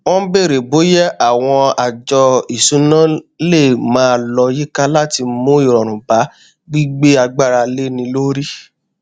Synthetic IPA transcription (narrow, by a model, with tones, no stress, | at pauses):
wɔ̃˦be˦˨ɾe˨bo˨˦jɛ˦a˨w̃ɔ̃˧a˨d͡ʒɔ˧i˨sũ˨˦nã˦le˦˨mãː˨˦˧lɔ˧ji˦ka˦la˦ti˧mũ˦i˦˨ɾɔ˨ɾ̃ũ˨ba˨˦ | ɡ͡bi˦ɡ͡be˦a˧ɡ͡ba˦˨ɾa˧le˦nĩ˧lo˦ɾi˦